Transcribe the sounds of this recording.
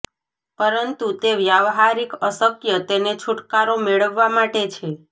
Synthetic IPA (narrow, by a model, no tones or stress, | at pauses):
pəɾənt̪ut̪eʋjaʋɦaɾikəsəkjət̪enet͡ʃʰuʈkaɾomeɭəʋːamaʈet͡ʃʰe